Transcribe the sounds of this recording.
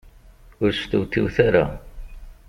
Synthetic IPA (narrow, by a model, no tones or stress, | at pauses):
ʊɾst̪uwt̪ːiwθaɾa̰